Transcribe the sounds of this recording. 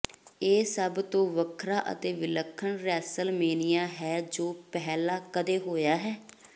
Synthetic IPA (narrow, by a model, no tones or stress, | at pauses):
eːsəbt̪õːʋəkʰɾaːʔə̰t̪eːʋɪləkʰːəɳɾɛːsəlmeːnɪjãːɦɛːd͡ʒoːpɛɦlaːkəd̪eːɦoːjaːɦɛː